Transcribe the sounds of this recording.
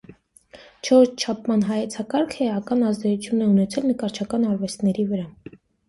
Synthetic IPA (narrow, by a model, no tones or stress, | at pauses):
t͡ʃʰɔɾt͡ʃʰt͡ʃʰɑpʰmɑnɦɑjɛt͡sʰɑkɑɾkʰɛɑkɑnɑzd̪ɛt͡sut͡sʰjunɛunɛt͡sʰɛlnəkɑɾt͡ʃʰɑkɑnɑɾvɛst̪nɛɾivəɾɑ